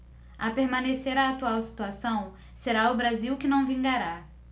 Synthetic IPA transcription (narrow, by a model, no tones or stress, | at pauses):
apeɾmɐ̃neseɾaːt̪uawsi̥t̪uasɐ̃w̃ | seɾaʊbɾaziwkɪnɐ̃w̃vĩŋɡaɾa